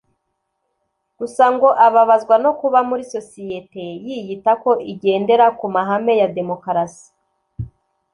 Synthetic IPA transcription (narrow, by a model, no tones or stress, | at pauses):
ɡ̥usaŋɡo̞ʔaβaβazɡwano̞kuβamuɾiso̞sijete̞jijitako̞ʔiɟe̞ːnde̞ɾakumaɦame̞jade̞mo̞kaɾasi̥